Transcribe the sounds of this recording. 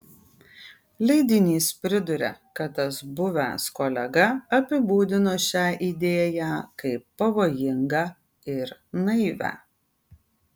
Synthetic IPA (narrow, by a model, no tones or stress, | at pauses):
lʲɛɪd̪ʲɪnʲiːspʲɾʲɪd̪ʊɾʲḛkɐt̪ːɐsbʊʋʲæ̰ˑskoːlʲɛɡɐɐpʲɪbuːd̪ʲɪnoːʃʲæːʔiːd̪ʲeːjæːkɐɪpːɐʋoːjɪŋɡɑː | ɪɾnɐɪʋʲæ̰